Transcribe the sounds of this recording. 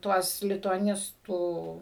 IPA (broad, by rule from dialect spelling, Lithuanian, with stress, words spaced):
ˈtuɔs lʲɪtʊɐˈnʲɪstuː